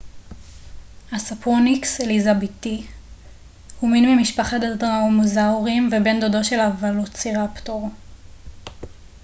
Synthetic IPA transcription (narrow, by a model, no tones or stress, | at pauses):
hasapuʁnikselizabiti | huminmimiʃpaχadadʁaomozauʁimvebe̞nd̪odoʃe̞lavalot͡siʁaptoʁ